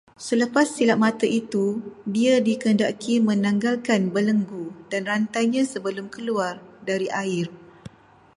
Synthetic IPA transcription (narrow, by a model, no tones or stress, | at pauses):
sələpasːilaʔ̚mãt̪əʔit̪udiadikəndakʰimə̃nãŋɡalkanbələŋɡud̥anrant̪ajɲãsəbəlʊmkəluardaɾiʔaɪr